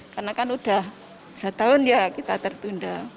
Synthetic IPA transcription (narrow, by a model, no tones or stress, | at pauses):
karnakanud̥ah | d̥at̪aʊnjakit̪at̪ərt̪unda